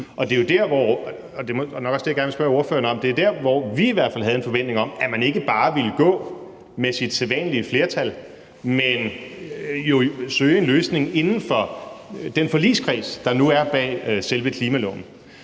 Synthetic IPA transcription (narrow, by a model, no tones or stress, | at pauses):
ʔɒ̽d̥e̝jo̝d̥æɐʋɒ̰ | ɒd̥e̝mnɒ̽ɡ̥ɒ̽sd̥ejæɡæɐnʋelsb̥ɶɐo̝ɐfø̰ːɐnɒ̽md̥e̝æɐd̥æɐ̰ʋɒʋiiʋæɐ̰d̥fælɦæð̞ˠenfɒ̽ʋen̰d̥ne̝ŋɒ̽mæmæne̝ɡ̥əb̥ɑ̈ːʋiləɡ̥ɔ̰̽ː | mesid̥selˠʋɛ̰ːnəliəfle̝ːɐt͡sʰæl | men | jo̝søːɪe̝nløːsne̝ŋe̝nn̩fɒ̽d̥enfɒ̽lḭːskʰʁḭːsd̥ɑ̈nuæɐb̥ɛ̰ːselʋəkʰliːmælɔ̰ːnn̩